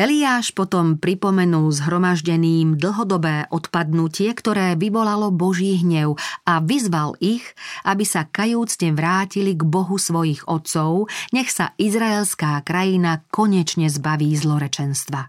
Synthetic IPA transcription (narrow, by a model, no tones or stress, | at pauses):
ɛliaːʃpɔt̪ɔmpɾipɔmɛnulzɦɾɔmaʒɟɛniːmd̪l̩ɦɔd̪ɔbɛːʔɔt̪pad̪nucɪɛkt̪ɔɾɛːʋiʋɔlalɔbɔʒiːɦɲɛʊaʋizʋaliɣʔabisakajuːt͡sɲɛʋɾaːciliɡbɔɦusʋɔjiɣɔt̪sɔʊɲɛxsa̰ʔizɾaɛlskaːkɾajinakɔɲɛt͡ʃɲɛzbaʋiːzlɔɾɛt͡ʃɛnst̪ʋa